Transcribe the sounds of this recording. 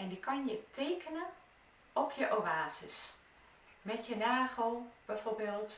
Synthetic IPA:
ɛndikɑnjətʰeːkənən | ɔpjəʔoaːzəs | mɛtjənaːɣəlˠb̥ɛjv̥orbeːlˠt

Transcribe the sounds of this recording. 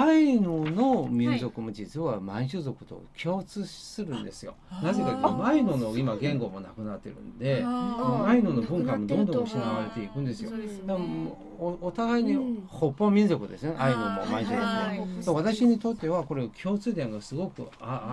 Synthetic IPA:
ainono̞mʲĩnzo̞kɯ̟mod͡ʑit͡sɨβamãɕɨzo̞kɯ̟̥t̪o̞̰kʲʰo̞ːt͡sɨsɨɾɯ̟̃nd̪e̞sɨjo̞̰naze̞kakomainono̞imaɡẽ̞ŋɡo̞mo̞nakɯ̟nat̪ːe̞ɾɯ̟̰̃nd̪e̞sanoainono̞bɯ̟̃ŋkamːo̞d̪õ̞nd̪õ̞ɕinaβaɾe̞t̪e̞ikɯ̟̃nd̪e̞sɨjod̪a | ot̪aɡaiɲ̟iho̞pːomʲĩnzo̞kɯ̟d̪e̞sɨneʔainomo̰mãĩɕzokɯsoβat̪aɕiɲ̟it̪o̞t̪ːe̞βako̞ɾekʲʰo̞ːt͡sɨːd̪ẽ̞ŋɡasɨɡo̞kɯa

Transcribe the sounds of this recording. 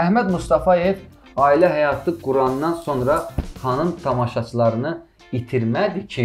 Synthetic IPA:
æhmæd̪must̪ɑfɑjev | ɑːilæɦæjɑt̪ʰɯɡuɾɑnːɑnso̞nɾɑhɑnɯnt̪ʰɑmɑʃɑt͡ʃʰɯlˠɑɾɯnɯ | it̪ʰiɾmæd̪icʰi

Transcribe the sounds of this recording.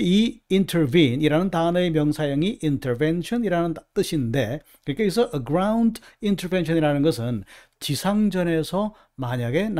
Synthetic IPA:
iintʰeɾbiniɾanɯntanʌemjʌŋsʰajʌŋiʔintʰeɾbenɕʰʌniɾanɯnt͈ɯɕʰinde̞ | kɯɲik͈aisʰʌʔːɡɾawndintʰəɾbenɕʰʌniɾanɯnɡʌs̬ʰɯn | t͡ɕisʰaŋd͡ʑʌne̞sʰʌ | maɲaɡe̞n

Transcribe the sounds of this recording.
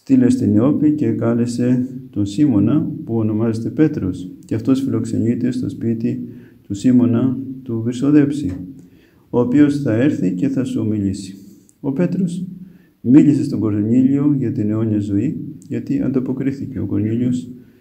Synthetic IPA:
st̪ile̞st̪ineo̞pice̞kɐle̞se̞t̪o̞nsimo̞nɐpuono̞mɐzet̪e̞pe̞t̪ɾo̞sceɐft̪o̞sfilo̞kse̞̰ɲit̪e̞st̪o̞̰spit̪it̪usimo̞nɐt̪uviɾso̞ðe̞psi | o̞ːpio̞sθɐe̞ɾθice̞θɐsuo̞miʎisi̥ | o̞pe̞t̪ɾo̞z | miʎise̞st̪o̞ɡo̞loɲiʎio̞ʝɐt̪ine̞o̞ɲiɐzo̞iʝɐt̪iɐ̰nd̪ɐpo̞kɾiθice̞o̞ko̞ɾɲiʎios

